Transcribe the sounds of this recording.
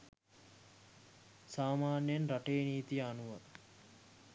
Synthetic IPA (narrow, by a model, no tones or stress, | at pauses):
saːmaːnjjənɾaʈeːniːt̪ijəanuʋa